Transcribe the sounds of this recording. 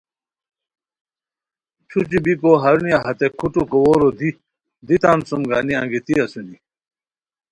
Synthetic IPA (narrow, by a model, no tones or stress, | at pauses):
t͡ɕʰut͡ɕibikoɦɐɾunijaɦɐt̪ekʰuʈukowoɾod̪i | d̪it̪aːnsumɡaːniɐ̰̃ŋɡit̪iɐsuni